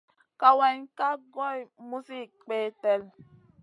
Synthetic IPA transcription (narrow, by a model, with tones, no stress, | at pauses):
ka˨wa˨ɲ˦ka˦ɡɔ˦jmu˦si˦˨k͡pe˦tɛ˦l